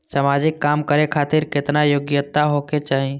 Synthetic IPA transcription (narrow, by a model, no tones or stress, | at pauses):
səmad͡ʒɪkːaːmkəɾekʰaːt̪ɪɾkɪt̪najoːɡjət̪ːaɦoket͡ʃaːɦi